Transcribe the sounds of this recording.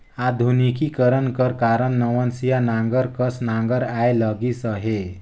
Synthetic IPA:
ad̪ʱunikikəɾənkəɾkaɾənːəʋənsijanãŋɡəɾkəsnãŋɡəɾajləɡisəɦe

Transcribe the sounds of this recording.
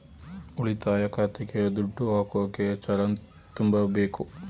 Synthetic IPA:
uɭit̪aːjɐkaːt̪iked̪uɖːuɦaːkoːket͡ʃɐɾɐn | t̪umbɐbeːku

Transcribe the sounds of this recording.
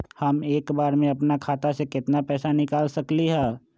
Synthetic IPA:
hɐmeːkbaːɾmẽɐpnakʰaːt̪asekɪt̪napɛːsanɪkaːlsɐkliɦɛː

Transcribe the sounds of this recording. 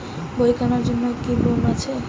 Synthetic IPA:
bojkanaɾd͡ʒonːɔkibomat͡ʃʰe

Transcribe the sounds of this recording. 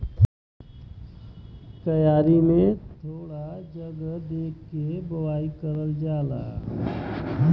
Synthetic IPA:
t̪ɐjaːɾimẽt̪ʰoːɽad͡ʒəɡd̪eːkʰːebəwaːikəɾəld͡ʒaːla̰ː

